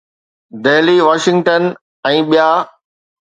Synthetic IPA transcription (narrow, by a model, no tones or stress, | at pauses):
d̪eːliʋaːʃɪ̃ŋɡʈən | ɛ̃ːɓijaː